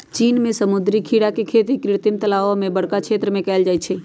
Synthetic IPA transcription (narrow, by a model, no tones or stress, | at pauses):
t͡ʃiːnmẽsəmʊd̪ɾikʰiːɽakekʰeːt̪ikɾɪɽt̪ɪmt̪əlaːʋomẽbəɽkakʰʃʰeːt̪ɾəmẽkɛːld͡ʒaːit͡ʃʰeː